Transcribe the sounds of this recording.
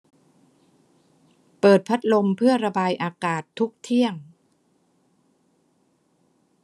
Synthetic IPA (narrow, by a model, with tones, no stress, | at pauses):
pɤː˨˩t̪̚pʰa˦˥t̪̚lo˧mpʰɯ˥˩ɐɾa˧baː˧jʔaː˧kaː˨˩t̪ʰːu˦˥k̚t̪ʰi˥˩əŋ